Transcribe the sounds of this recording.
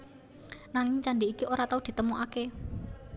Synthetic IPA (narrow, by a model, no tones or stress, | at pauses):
naŋɪŋt͡ʃaɳɖiikiʔoɾat̪aud̪̥i̤t̪əmuʔake